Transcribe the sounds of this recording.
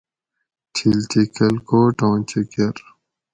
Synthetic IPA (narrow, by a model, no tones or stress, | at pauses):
t͡ɕʰilt͡ɕikɐlkoːʈõːt͡ɕikeɾ